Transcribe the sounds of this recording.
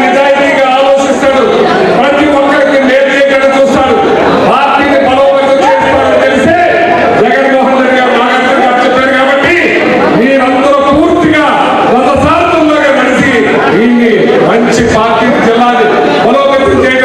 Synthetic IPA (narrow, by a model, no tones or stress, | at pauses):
nid͡ʒaːjit̪iːɡaːaːloːʃist̪aːɽu | pɐt̪iʋɔkːɐɽikineːd̪ɐkɐɽɐt͡ʃuːsaːɽu | paːɾʈːiːnibɐloːkɐt̪ːɐt͡ʃeːst̪aːɽɐnk̪ɐliseː | d͡ʒɛɡɐnmoːɦund̪ɐɾiɡaːbaːɡɐt̪ːɐmkɐt͡ʃːɐt̪ːɐːɽukaːbɐʈːi | miːɾɐnd̪ɐɾupuːɾt̪iɡaː | kɐk̪ɐsaːɾt̪unlɐːɡaːmɐɽisi | d̪iːnːi | mɐɲt͡ʃipaːɾʈiːkid͡ʒɛlːaːli | bɐloːkɐt̪ːɐt͡ʃɛː